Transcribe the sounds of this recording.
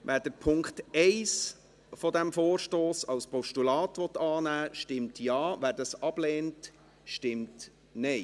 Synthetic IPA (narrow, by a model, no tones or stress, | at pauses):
ʋæːɾdəpʰʊŋktɛɪs | fɔdɛmfoːrʃtoːsɑʊspʰɔʃtulɑːtʋɔtɑːnæːʃtɪmtjɑːvæːɾdɑsɑb̥leːnt | ʃtɪmt | nɛɪ